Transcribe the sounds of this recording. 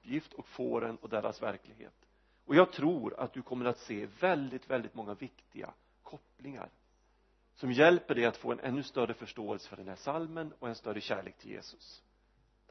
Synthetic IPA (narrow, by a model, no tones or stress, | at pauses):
pjɪft̪ʰɔkfoːɾɛnɔd̪ɛɾʔa̰svæɾklɪɡhḛːt̪ | ɔjɑːɡ̚t̪ʰɾuːɾa̰t̪̚d̪ɵkʰɔmːəɾat̪seːvɛld̪ɪt̪vɛld̪ɪt̪mɔŋːavɪkt̪ɪɡa̰ | kʰɔplɪŋa̰ɾ | sɔmjɛlpəɖɛat̪fo̰ːɛnʔɛ̰nːɵst̪œrəfœʂʈoːɛlsə̥fœɖɛnhæʂalmənɔɛnst̪œɾːəɕæːɭḛːk̚t̪ʰɪljḛːsɵ̥s